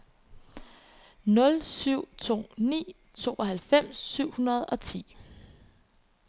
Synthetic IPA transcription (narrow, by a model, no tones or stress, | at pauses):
nɔ̽lsyʊ̰t͡sʰo̝̰ːnḭː | t͡sʰo̝̰ːʔɒɦælfem̰sːyʊ̰hunɐð̞ˠɒ̽t͡sʰḭː